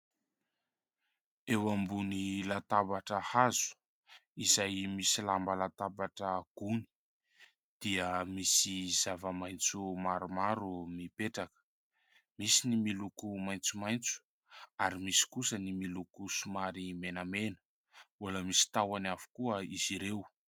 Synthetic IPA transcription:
ewambunilat̪abaʈ͡ʂəhazu̥ | izajmisilambəlat̪abaʈ͡ʂəɡ̥uni̥ | d̪̥iəmisizavəmajnt͡sumaɾumaɾumipeʈ͡ʂakə̥ | misinimilukumajnt͡sumajnt͡su̥ | aɾimisi̥kusənimilukusumaɾimenəmenə̥ | uləmisi̥t̪awanavu̥kuəiz̥iɾew

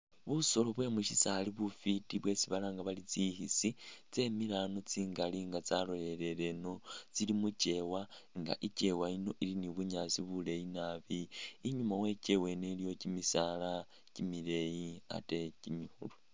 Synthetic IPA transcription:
βuso̞lo̞βwe̞muʃisaliβufitiβwe̞siβalaŋɡaβalit͡sihisit͡se̞milano̞t͡siːŋɡaliŋɡat͡saloje̞ɾe̞le̞no̞t͡silimuce̞waŋɡa̰ʔice̞waino̞ʔiliniβuɲasiβule̞jinaβiːɲumawe̞ce̞we̞ne̞lijo̞cimisala | cimile̞jia̰te̞cimihṵlu

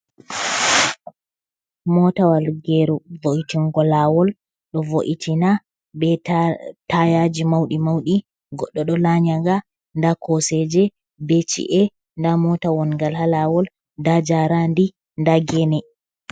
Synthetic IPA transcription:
mɔtawalɡɛɾuvoʔitiŋɡɔlawɔl | ɗɔvoʔitʰina | bɛtajad͡ʒimawɗimawɗi | ɡɔɗːɔɗɔlaɲaɡa | ndakʰɔsɛd͡ʒɛ | bet͡ʃḭʔɛ | ndamɔtawɔnŋɡalhalawɔl | dad͡ʒaɾandi | ndaɡɛnɛ

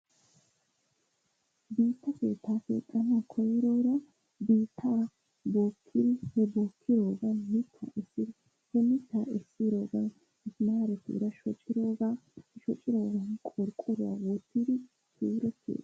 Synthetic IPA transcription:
biːt̪ːɐke̞̰ːt̪ːaːkḛːt̪ʼːɐnakʰɔjɪɾoːɾɐ | biːt̪ʰːa | boːkʰːɪd̪ɪhɛboːkʰːɪɾoːɡɐnmɪt̪ʰːa̰ːɛsːɪd | hɛmɪt̪ːaːɛsːiɾoːɡɐn | ɪsnaɾɛt̪ːɪ̰ɾɐʃɔt͡ʃʼːɪɾoːɡaːʃɔt͡ʃʼːɪɾo̞ːɡɐnkʼɔɾkʼɔɾʊa̰wɔt̪ːid̪ɪ | tuːɾɛt̪ʰːḛːd̪

